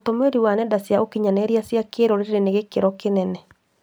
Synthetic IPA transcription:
tomeɾiwanɛdasjaʔokiɲanɛɾiasjakeɾoɾeɾeɾeneɣekeɾɔkenɛnɛ

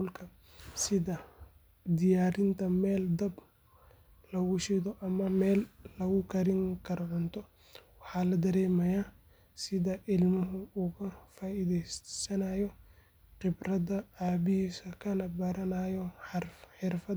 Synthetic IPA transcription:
ʊlkʰɐ | sɪðɐ | d̪ɪjaːɾɪnt̪ʰɐmɛːld̪ɐb | lɐɣʊʃɪðɔʔɐmɐmɛːllɐɣʊkʰɐɾɪŋkʰɐɾɔʕʊnt̪ʰɔ | wɑħɑːlɐd̪ɐɾɛːmɐja | sɪðɐʔɪlmɪɦʊuːkʰɐfaːiðɛsɐnɐjɔ | qɪbɾɐðɐaːbɪɦiːsɐkʰɐlɐbɐɾɐnajɔħɪrfɐ

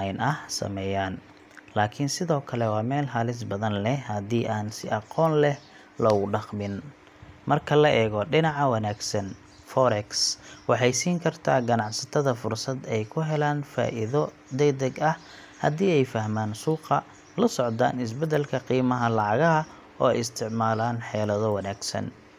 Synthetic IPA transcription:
nʔɐhsɐ̰mɛːjaːn | laːkʰɪnsɪðɔːkʰɐlɛwɑːmɛːlɦaːlɪs̬bɐðɐnlɛhhɐðiːʔaːnsɪʔɑqɔːnlɛh | lɐʊɖɑqmɪn | mɐrkʰɐlɐʔɛːɣɔɖɪnɑʕɑwɑnaːɡsɐn | fɔɾɛkswɑħɑjsiːŋkʰɐrt̪ʰaːɡɐnɑʕsɐt̪ʰɐðɐfʊrsɐd̪ɛjkʰʊɦɛlaːnfa̰ːʔɪðɔ | d̪ɛjd̪ɐɡɐh | hɐ̰d̪iːɛjfɐhmaːnsuːqɐ | lɐsɔʕd̪a̰ːnɪs̬bɛd̪ɛlkʰɐqiːmɐɦɐlɑʕɑɣɐɦɐ | ɔ̰ːɛjɪst̪ʰɪʕmaːlaːnħɛːlɐðɔwɑnaːɡsɐ̰n

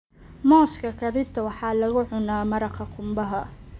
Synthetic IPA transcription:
mɔːskʰɐkʰɐdɪbt̪ʰɐwɑħɑːlɐɣʊʕʊnaːmɐɾɑqʰɑqʰʊmbɐɦɐ

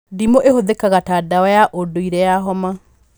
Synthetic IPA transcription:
dimoʔehoðekaɣataːdaajaʔodoiɾɛjaɦɔma

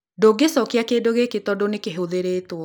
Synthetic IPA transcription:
doɡesɔkeakeːdoɣeketɔdonekeɦoðeɾeːtwɔ

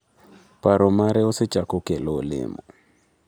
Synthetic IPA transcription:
paɾɔmaɾɛɔsɪt͡ʃakɔkɛlɔlɪ̰mɔ

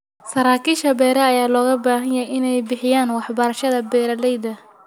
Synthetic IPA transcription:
sɐɾaːkʰiːʃɐbɛːɾɐːjaːlɔːɣɐbaːɦɐɲjɛjɪnɛjbɪħɪjaːnwɑħbɐɾɐʃɐðɐbɛːɾɐlɛjd̪ɐ

